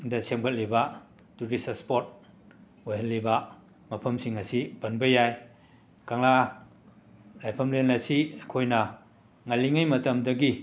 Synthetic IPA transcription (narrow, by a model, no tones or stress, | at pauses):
dɐseŋbɐt̚libɐ | tuɾisɐspot̚ | ojɦɐlːibɐ | mɐpʰɐmsiŋɐsibɐnbɐjaj | kaŋla | lajpʰɐmlenɐsiɐkʰojnɐ | ŋaliŋajmɐtɐmdɐɡi